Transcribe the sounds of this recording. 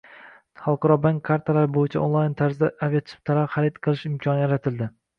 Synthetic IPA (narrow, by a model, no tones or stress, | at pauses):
χalˠqɑɾɒbaŋkʰːaɾt̪ʰalaɾɪbojɪt͡ʃʰaʔonlˠajnt̪ʰaɾzɪd̪aʔavijat̪ʰɪ̥p̚t̪ʰalaɾχaɾɪd̪qʰɨlˠɪʃɪmkʰɒnɪjaɾat̪ʰɪld̪ɪ